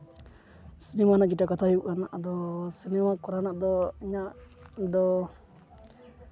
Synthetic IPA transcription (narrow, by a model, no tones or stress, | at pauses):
sinɛmanaʔɡiʈakat̪ʰaɦiuʔanaʔd̪ɔsinɛmakɔɾanaʔd̪ɔiɲad̪ɔ